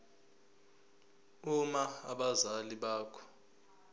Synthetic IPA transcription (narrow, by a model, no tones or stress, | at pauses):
umaaɓazaliɓaːkʰɔ̥